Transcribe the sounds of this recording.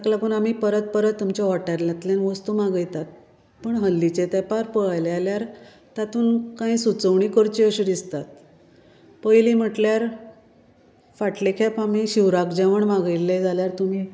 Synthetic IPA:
aklapəɳam̤ipəɾət̪̚pəɾət̪ːumt͡ɕaʋaʈaɾlat̪ljanʋəst̪uːmaɡəjt̪at̪̚ | pəɳɦəlːit͡ɕet̪ɛpaɾpəɭlealjaɾ | t̪at̪ʰuːnkãĩsut͡səʋɳikəɾt͡ɕiəɕid̪ist̪at̪̚ | pəjlim̤əʈljaɾ | faʈlekʰɛpam̤iɕiʋɾakd͡ʑɛʋəɳmaɡəjlːejd͡zaljaɾt̪um̤iː

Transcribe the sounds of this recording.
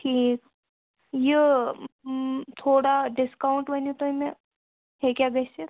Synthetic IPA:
ʈʰiːk | jə | t̪ʰoːɽaɖɪskauɳʈʋənut̪oime | ɦekʲjaɡəse

